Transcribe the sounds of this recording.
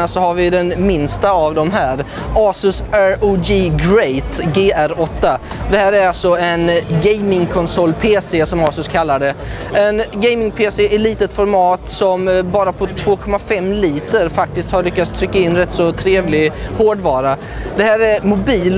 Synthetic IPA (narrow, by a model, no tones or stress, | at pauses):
asɔhaɾvɪd̪ɛnmɪnst̪aːvd̪ɔmɦæːɾɑːsɵsæɾuɡiɡɾɛjt̪ɡeːʔæɾɔt̪ːad̪ɛhæːɾæɾalsɔɛnɡɛjmɪŋkʰɔnsɔlːpʰeːsesɔmɑːsɵskʰalːaɖɛ | ɛnɡɛjmɪŋpʰeːseʔɛliːt̪ət̪fɔɾmɑːt̪sɔmbɑːɾapʰɔt̪ʰvoːkʰɔmːafɛmːliːt̪əɾfak̚t̪ɪskt̪haɾɭʏkːat̪st̪ʰɾʏkːaɪnːɾɛt̪ːsɔt̪ʰɾeːvlɪhoːɖvɑːɾa | d̪ɛhæːɾæɾmʊbiːl